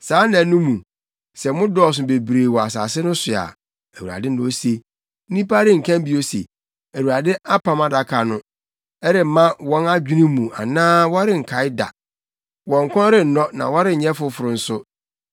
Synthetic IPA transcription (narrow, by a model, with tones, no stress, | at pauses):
saː˨˦nã˨˦nũ˦mũ˨ | sɛ˨mʊ̃˦dɔ˦˨s̬ʊ˨be˨bɾeː˨wɔ˨a˨s̬a̰ː˨sɪ˦nʊ̃˦sʊ˨a̰˨ | æ˨wu˨ɾa̰˨dɪ˦n̩˦ʊ̃˦o˦se˦ | n̩˦nĩ˦pa˦ɾɪ˦ŋ̩˨kʰã˦m˦bi˦o˦sḛ˨ | æ˨wu˨ɾa˨dɪ˦a˦pʰã˨˦ma˦da˨kʰa˨nʊ̃˦ | ɛ˦ɾɪ˨mã˦wɔ̃˦na˦d͡ʑᶣu˦nĩ˦mũ˨a̰˨nãː˦wɔ˦ɾɪ˦˨ŋ̩˨kʰa˨˦ɪ˦da̰˨ | wɔ̃˨ŋ̩˨kʰʷɔ̃˦ɾɪ˨n̩˨nɔ̃˦nã̰˨wɔ˦ɾɪ˦˨ɲ̩˨ɲɛ̃˦fʊ˦fʊ˨ɾʊ˨n̩˦sʊ˦